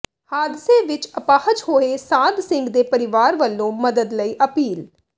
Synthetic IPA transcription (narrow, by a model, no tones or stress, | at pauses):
haːd̪ɪseːʋɪt͡ʃəpaːhət͡ʃhoːeːsãːd̪sɪ̃ŋɡd̪eːpəɾɪʋaːɾʋəlːõːməd̪əd̪ləiːʔəpiːl